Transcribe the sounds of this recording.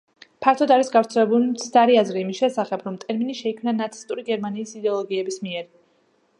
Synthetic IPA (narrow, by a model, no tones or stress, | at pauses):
pʰaɾt̪ʰɔd̪aɾisɡavɾt̪sʰɛlɛbulimt̪sʰd̪aɾiazɾiːmisʃɛsaχɛbɾɔmt̪ʼɛɾminiʃɛikʰmnanat̪sʰist̪ʼuɾiɡɛɾmaniːsid̪ɛɔlˠɔɡiɛbismiɛɾi